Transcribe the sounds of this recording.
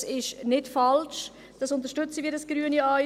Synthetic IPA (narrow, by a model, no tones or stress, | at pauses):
sɪʃnɪtfɑlʃ | d̥ɑsʊnt̪əɾʃtʏt͡siʋidɑsɡ̥ɾyːəniɑ